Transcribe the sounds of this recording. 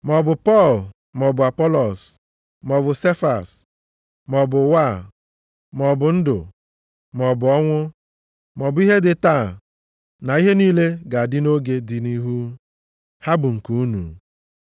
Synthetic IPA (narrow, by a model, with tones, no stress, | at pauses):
mɔ˨bʊ˨pɔ˦˨l | mɔ˨bʊ˨a˨pɔ˦lɔ˨s | mɔ˨βʊ˨se˦fa˨s | mɔ˨bʊ˨wa˦˨ | mɔ˨bʊ˨n̩˦dʊ̰˨ | mɔ˨bʊ˨ɔ˦ŋʷʊ˦ | mɔ˨bʊ˨˦i˦ɦe˦dɪ˨ta˦˨ | na˨i˦ɦe˦niː˦le˦ɡa˨a˨dɪ˦no˦ɡe˦dɪ˨ni˦ɦu˦ | ha˦bʊ˨ŋ̩˨ku˨u˦nṵ˨